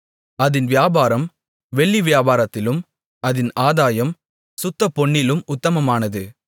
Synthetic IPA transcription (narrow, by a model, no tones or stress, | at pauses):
ɐðɪnʋɪjaːbaːɾɐm | ʋɛɭːiʋjaːbaːɾɐt̪ːɪlɯm | ɐðɪnaːðaːjɐm | sʊt̪ːɐpɔɳːɪlɯmʊt̪ːɐmɐmaːnɐðɯ